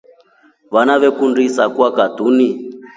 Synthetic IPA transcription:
βanaʋɛkundisakwakadʱuni

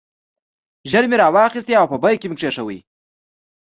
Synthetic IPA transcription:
ʒəɾmeɾɑwɑxist̪iawpəbajkemɪkʂeʂawə̰j

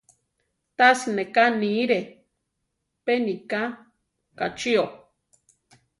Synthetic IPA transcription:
t̪asinekaniɾe | penika | kat͡ʃio

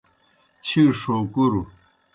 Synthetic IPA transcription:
t͡ɕʰiʂoːkuɾu

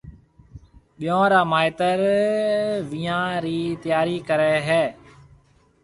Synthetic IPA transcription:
ɓɪjõːɾaːmaːɪt̪əɾ | ʋiːãːɾiːt̪ɪjaːɾiːkəɾeːɦɛː

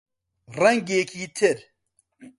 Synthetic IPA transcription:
rɐŋɡeːkʰiːt̪ʰɪɾ

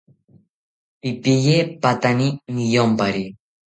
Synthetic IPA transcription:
ipijepat̪aninijompaɾi

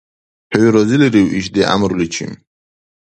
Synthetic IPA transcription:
hʰɛwiɾɔziliɾiwiʃd̪ɛʔa̰mɾulit͡ʃʰḭm

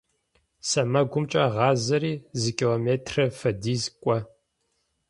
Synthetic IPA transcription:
sɐmɐɡʷʊmt͡ʃʼɐʁɑːzɐɾiːzɨkʲʰʼiloːmeːtʰrɐfɐdiːzkʷʼɔ

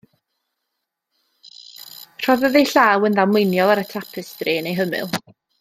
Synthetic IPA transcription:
r̥ɔvəðejɬaːwənðamwɪnjɔlˠaɾətʰrapʰɨsdreːnejɦəmɨ̰lˠ

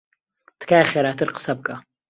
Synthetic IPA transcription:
t̪ʰkʰaːχʲeɾatʰɨrqə̥sɐb̚kʼa

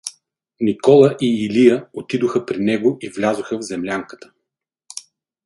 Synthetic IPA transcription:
nikɔlˠəʔiːlijəot̪id̪oxəpɾinɛɡoivlʲazoxəvzɛmlʲaŋkə̥t̪ə̥

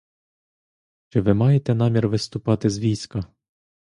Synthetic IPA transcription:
t͡ʃɪʋɪmɑjet̪ɛnɑmʲirʋɪst̪ʊpɑt̪ɪzʋʲijsʲkɐ

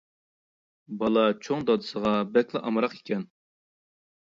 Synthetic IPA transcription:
bɑlˠɑt͡ʃʰoŋd̪ɑd̪ɨsəʁɑbɛkʲlˠɨʔɑmɾɑqi̥kʲʰɛn

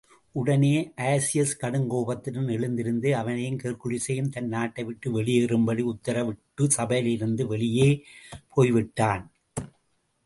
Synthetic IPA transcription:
ʔʊɽɐneːʔaːsɪjɐskɐɽɯŋɡoːbɐt̪ːɪnɯnɛɭɯnd̪ɪɾɯnd̪ɯɐʋɐnɐjɯnkeːrkɯɻɪsɐjɯmt̪ɐnːaːʈːɐɪʋɪʈːɯʋɛɭɪjeːɾɯmbɐɽiʊt̪ːɐɾɐʋɪʈːɯsɐbɐjlɪɾɯnd̪ɯʋɛɭɪjeːpʰoːjʋɪʈːaːn

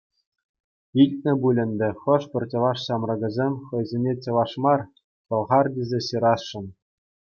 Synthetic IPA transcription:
ilʲt̪̚ʲnʲɘ̆bulʲɘ̆nʲd̪ʲɘ̆χɤ̆ʂpʲɘ̆rʲt͡ɕɤ̆lɑʂɕɑmrɤ̆ɡʲɤ̆zʲemʲχɤ̆jzʲenʲet͡ɕɤ̆ʋɑʂmɑr | pɤ̆lˠʁɑrdʲizʲeɕɯɾɑsʂɤ̆n

